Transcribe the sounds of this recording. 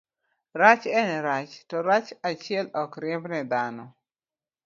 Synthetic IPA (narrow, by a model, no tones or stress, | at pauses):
ɾat͡ʃɛnɛɾat͡ʃtɔɾat͡ʃat͡ʃɪɛlɔkɾɪmnɛd̪anɔ